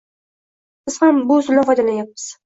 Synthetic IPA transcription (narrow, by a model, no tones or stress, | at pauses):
sɪz̥hambʊːzɪlnafɒjd̪alanjap̚ːɪz̥